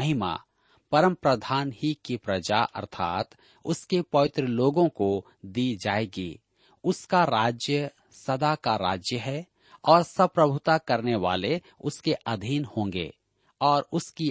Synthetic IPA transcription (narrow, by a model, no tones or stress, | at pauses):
ɦɪma̰ | pɐɾə̃mpɾəd̪ʱaːnhikipɾɐd͡ʒaʔɐ̰ɾt̪ʰa̰ːt̪ | ʊskepɔːɪt̪ɾəloːɡõko | d̪iːd͡ʒaːeːɡḭː | ʊskaɾaːd͡ʒjə | sɐd̪akaɾa̰ːd͡ʒjəɦɛ | ɔːɾsɐpɾɐbʱʊt̪akɐɾneʋa̰ːle | ʊskeʔɐd̪ʱiːnhõːŋɡḛː | ɔːɾʊski